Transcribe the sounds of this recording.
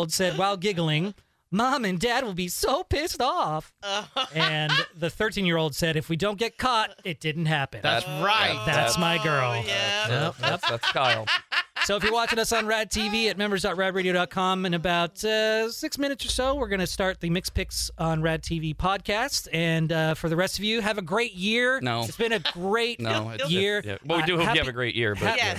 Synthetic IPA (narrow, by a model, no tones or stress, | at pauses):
lˠdsɛd̚waɪlˠɡɪɡl̩ˠɪ̃ŋ | mɑ̃mɨ̃ndæd̚wəlˠbisoʊpʰɪstɔfɨ̃nðɨθɜ˞tʰĩnjɪɹoʊlˠd̥sɛɾɨfwidõʊ̃nɡ̥ɛt̚kʰɑɾɨt̚d̥ɪdⁿn̩t̚ɦæpɨ̃naɪtðæsmaɪɡɜ˞lˠ | ʌskɪlˠsoʊɨfjɨwɑt͡ʃɨ̃ɾʌsn̩ɹæd̚tʰiviɨt̚mɛ̃mbə˞zdɑt̚ɹæd̚ɹeɪɾioɾɑt̚kʰɑ̃mɨ̃nɨbaʊtʌsɪksmɪ̃ñɨtsə˞soʊwɪɹɡʌnɨstɑɹt̪̚ðɨmɪkspʰɪksn̩ɹæd̚tʰivipʰɑd̚kʰæstsɨ̃nʌfə˞ðɨɹɛstʌvjʉɨvɨɡɹeɪt̚jɪɹnoʊʌtsb̥ɨ̃nɨɡɹeɪt̚nojɪɹ̰ʌwidɨvɨɡɹeɪʔjɪ̰ɹbʌ